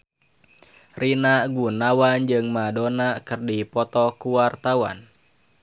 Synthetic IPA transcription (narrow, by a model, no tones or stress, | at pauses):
rinaɡunawand͡ʒɨŋmadɔnakɨrdipɔt̪ɔkuwart̪awa̰n